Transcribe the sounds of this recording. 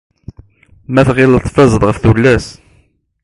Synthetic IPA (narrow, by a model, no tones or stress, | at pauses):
mæθʁɪlt̪ˤfɑzˤəðˤʁəfθulːæs